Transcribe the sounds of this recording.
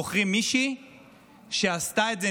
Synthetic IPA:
oχʁimiʃi | ʃe̞ast̪aetze

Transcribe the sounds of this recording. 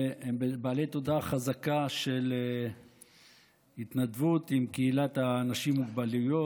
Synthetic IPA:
embbaːlejt̪o̞d̪aχazakaʃe̞le | hit̪nad̪vut̪imkeilat̪aːnaʃimːuɡbalujo

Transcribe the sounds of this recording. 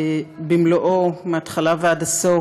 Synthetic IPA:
bimloʔomeatχalaveadaso

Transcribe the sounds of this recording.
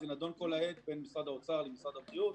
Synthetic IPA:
zinad̪o̞nko̞lae̞t̪be̞nmisʁad̪aot͡saʁlemisʁad̪abʁijut̪

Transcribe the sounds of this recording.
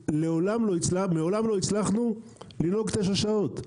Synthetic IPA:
leolamlo̞it͡slameo̞lamlo̞it͡slaχnu | lino̞ɡt̪eʃ̬aʃao̞t̪

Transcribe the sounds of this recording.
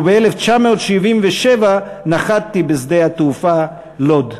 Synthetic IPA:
beeleft͡ʃameot̪ʃivimveʃeva | naχad̚t̪ibezd̪ehat̪ufa | lo̞d̪

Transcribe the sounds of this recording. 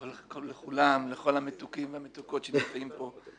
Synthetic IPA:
vlkoleχulamleχo̞lhamet̪ukimvehamet̪uko̞tʃenimt͡saimpo̞

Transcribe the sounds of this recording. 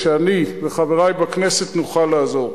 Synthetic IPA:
ʃeaniveχaveʁajbaknese̞t̪nuχalːaːzo̞ʁ

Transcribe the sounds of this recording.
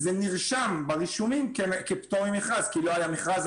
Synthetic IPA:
zeniʁʃambaʁiʃumimkekept̪omimeχʁazkilo̞ajameχʁaz

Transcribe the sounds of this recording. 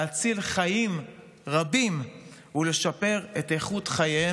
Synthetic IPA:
at͡silχajim | ʁabim | ule̞ʃape̞ʁete̞χutχajee

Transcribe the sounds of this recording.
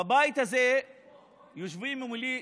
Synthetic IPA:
abait̪aze | juʃ̬vimimili

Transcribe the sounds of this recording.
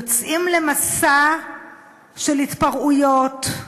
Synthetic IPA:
ot͡sʔimle̞masa | ʃe̞lhitpaʁujot

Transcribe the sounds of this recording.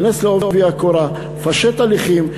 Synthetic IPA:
nesleooviakoɾa | faʃet̪aliχim

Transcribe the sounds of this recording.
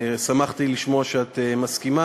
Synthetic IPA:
samaχt̪iliʃmo̞aʃeat̪emaskima

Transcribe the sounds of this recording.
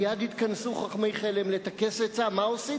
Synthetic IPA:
jad̪it̪kansuχaχmejχelemlet̪ake̞set͡samaosi

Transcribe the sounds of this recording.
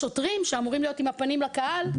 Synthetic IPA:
o̞tʁimʃeamuʁimlijo̞timhapanimlakahal

